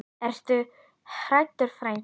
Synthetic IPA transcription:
ɛɾst̪ʏ | hɾajt̪ʏɾ̥fɾajn

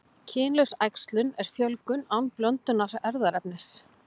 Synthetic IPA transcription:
cʰɪːnlœsajkst̪lʏnɛɾ̥fjœlkʏnawnplœnt̪ʏnaɾɛɾðaɾɛpnɪs

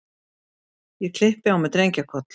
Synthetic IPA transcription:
jɛkʰl̥ɪhpɪawmɛt̪ɾejɲcakʰɔt̪l

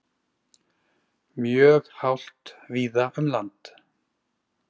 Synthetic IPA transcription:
mjœːɣhawl̥t̪viːðaʏmlant̪

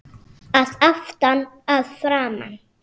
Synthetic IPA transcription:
asaftan | asfɾama̰n

